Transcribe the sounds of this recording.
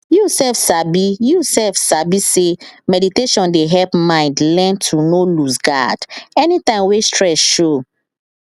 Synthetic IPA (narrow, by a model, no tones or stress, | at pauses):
jusɛfsabijusɛfsabisemɛditeʃɔ̃ndeɦɛlpmãɪ̃ndlɛ̃ntʰunolusɡa̰d̥ɛnitãɪ̃mwestɹɛsʃo